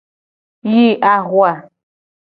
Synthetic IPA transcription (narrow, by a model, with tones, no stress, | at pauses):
ji˦ʔa˦ɣwa˨